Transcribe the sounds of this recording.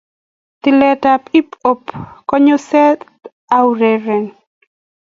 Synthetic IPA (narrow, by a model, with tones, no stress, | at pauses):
t̪ɪ˨lɛ˨ta˨pi˦po˨pkɔ˦ɲo˦sɛ˦t̪ | awɾɛɾɛ˨n